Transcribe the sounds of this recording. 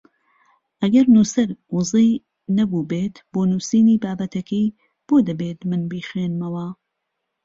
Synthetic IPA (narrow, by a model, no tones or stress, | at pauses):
ʔɐɡɐɾnuːsɐɾwɨzˤiː | nɐbuːbeːt̪b̥oːnuːsiːniːbaːbɐt̪ʰɐkʰij | b̥oːd̪ɐbeːt̪mɨnbiːxweːnmɐwɐ